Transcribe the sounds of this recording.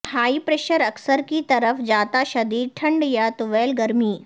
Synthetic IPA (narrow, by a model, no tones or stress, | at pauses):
haːipɾeːʃəɾɐksəɾkit̪ɐɾəfd͡ʒaːt̪aʃɐd̪iːʈʰɐ̃ɳɖjat̪ʊʋeːlɡɐɾmiː